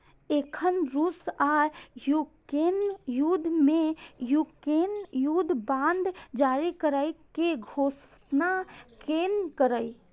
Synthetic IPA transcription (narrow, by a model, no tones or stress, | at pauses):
eːkʰənɾusaːjukɾenjud̪ʱmẽjuːkɾeːnjud̪ʱbãːnd̪d͡ʒaːɾikəɾəikeɡʱoːs | nakeːnkəɾəi